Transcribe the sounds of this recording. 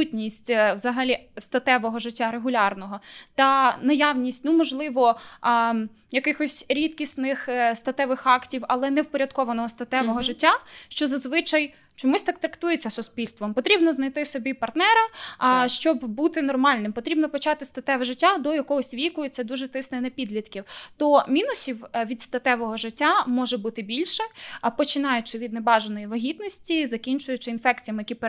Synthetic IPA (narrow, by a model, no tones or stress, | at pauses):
utʲnʲisʲtʲwzɐɦɐlʲist̪ɐt̪ɛʋɔɦɔʒɪtʲːaɾeɦʊlʲɑrnɔɦɔt̪ɐnɐjɑwnʲisʲtʲnumɔʒlˠɪʋɔ | jɐkɪxɔsʲɾʲit̪̚kʲisnɪxst̪ɐt̪ɛʋɪxɑktʲiwɐlˠɛnɛwpɔɾʲɐd̪kɔʋɐnɔɦɔst̪ɐt̪ɛʋɔɦɔʒɪtʲːaʃt͡ʃɔzɐzʋɪt͡ʃɐj | t͡ʃɔmusʲt̪ɑk̚t̪ɾɐkt̪ujet͡sʲːɐsʊspʲilʲst̪ʋɔmpɔt̪ɾʲibnɔznɐjt̪ɪsɔbʲipɐrt̪nɛɾɐʃt͡ʃɔbbut̪ɪnɔrmɑlʲnɪmpɔt̪ɾʲibnɔpɔt͡ʃɑt̪ɪst̪ɐt̪ɛʋɛʒɪtʲːad̪ɔjɐkɔɦɔsʲʋʲikʊjʊt͡sʲːɐd̪uʒɛt̪ɪsnɛnɐpʲid̪lʲit̪kʲiwt̪ɔmʲinʊsʲiwʋʲid̪st̪ɐt̪ɛʋɔɦɔʒɪtʲːamɔʒɛbut̪ɪbʲilʲʃɛpɔt͡ʃɪnɑjʊt͡ʃɪʋʲid̪nebɑʒɐnɔjiʋɐɦʲit̪nɔsʲtʲizɐkʲinʲt͡ʃʊjʊt͡ʃɪinfɛk̚t͡sʲijɐmjɐkʲip